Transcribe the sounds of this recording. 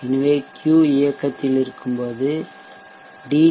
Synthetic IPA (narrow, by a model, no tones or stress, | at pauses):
ɪnʋeːkjuːɪjɐkːɐt̪ːɪlɪɾɯkːɯmpoːðɯ | ɖiː